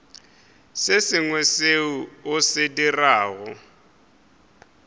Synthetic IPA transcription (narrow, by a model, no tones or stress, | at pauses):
sɪsɪŋwɛseuʊsɪdiraːɣʊ